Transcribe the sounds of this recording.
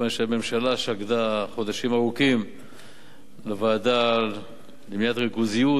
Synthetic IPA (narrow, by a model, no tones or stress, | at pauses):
vanʃeme̞mʃalaʃaɡd̪aχo̞d̪aʃimaʁukim | levaːd̪al | bimjat̪ʁikuziju